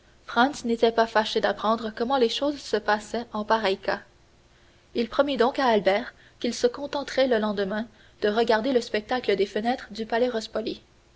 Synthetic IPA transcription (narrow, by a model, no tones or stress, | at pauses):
fχɑ̃nsnet̪ɛpafaʃed̪apχɑ̃d̪ʁəkɔmɑ̃leʃoːzsəpasɛɑ̃paʁɛjka | ilpχɔmid̪ɔ̃kaːlbɛːʁ | kʲilsəkɔ̃t̪ɑ̃t̪χɛləlɑ̃d̪əmɛ̃ | d̪̥əʁəɡaʁd̪eləspɛk̚t̪akləd̪efənɛːt̪χəd̪ypalɛʁɔspɔli